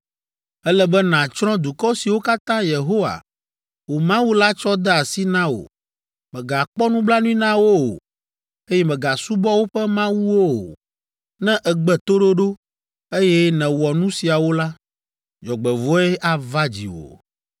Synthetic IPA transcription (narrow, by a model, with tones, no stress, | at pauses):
ɛ˦lɛ˦bɛ˦nã˨t͡ʃɾɔ̃˦d̪u˨kɔ˦si˨wo˦ka˦t̪ã˦je˨ɦo˦wa̰˨ | wo˨mã˦wu˦la˦t͡ʃɔ˦d̪ɛ˦a˨si˦nã˦wo̰˨ | mɛ̃˨ɡa˨k͡pɔ˦nũ˦bla˦nũ˦ĩ˦nã˦wo˦o̰˨ | e˦jɛ˦mɛ̃˨ɡa˨su˦bɔ˦wo˦ɸɛ˦mã˦wu˦wo˦o̰˨ | nɛ̃˦ʔɛ˨ɡ͡bɛ˨t̪o˦ɖo˦ɖo˦ | e˦jɛ˦nɛ̃˨wɔ˨nũ˦si˨a˨wo˦la˦ | d͡ʒɔ˨ɡ͡bɛ˨vɔ˦ɛ˦ʔa˨va˦d͡ʑḭ˨wo̰˨